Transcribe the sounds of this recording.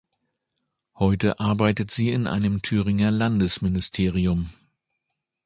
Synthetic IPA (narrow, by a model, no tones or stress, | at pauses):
hɔʏtəʔaɐbaɪtətz̥iːɪnʔa̰ɪnəmtʰyːʁɪŋɐlandəsmɪnɪstʰeːʁ̞iʊm